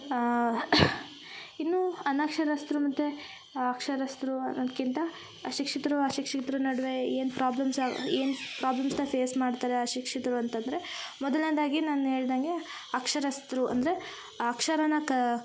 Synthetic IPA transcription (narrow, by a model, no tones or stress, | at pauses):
inːuːɐnɐkʂɐɾɐst̪ɾumɐt̪ːe | ɐkʂɐɾɐst̪ɾunɐnd̪kint̪ɐ | ɐʃikʂit̪ɐɾuɐʃikʂit̪ɐɾunɐɽʋe̞eːnpɾaːblɐmsa̰ḛːnpɾaːblɐmsnɐpʰeːsmaːɖt̪aːɾeɐʃikʂit̪ɐɾuɐnt̪ɐnd̪ɾemɔd̪ɐlnɐd̪aːɡinaːnuɦe̞ːɭd̪aŋɡe̞ | ɐkʂɐɾɐst̪ɾuɐ̰nd̪ɐɾe̞ | ɐkʂɐɾɐnɐkɐ